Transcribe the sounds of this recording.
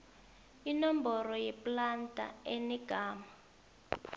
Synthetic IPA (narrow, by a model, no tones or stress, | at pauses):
inɔmbɔrɔjɛplantʼa̰enɛɡ̥ʱaːma